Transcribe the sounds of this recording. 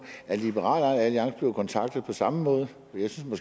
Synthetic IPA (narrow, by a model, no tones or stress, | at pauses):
ælib̥eʁɑ̰̈ːlænæliɑ̈ŋ̰sb̥le̝ʊkʰɒ̽nt͡sʰɑ̈ɡ̥̚d̥ð̞̩ˠpʰɒ̽sɑ̈məmɔ̽ːð̞ˠə | ɒjɑ̈ɪsynsmɒ̽sɡ̥